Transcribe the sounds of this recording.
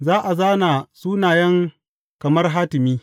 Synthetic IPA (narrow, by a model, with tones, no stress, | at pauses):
zaː˦ʔa˨zaː˦naː˨suː˦naː˨jɐ˦ŋ | kɐ˨mɐ˦rɦaː˦tɪ˨miː˦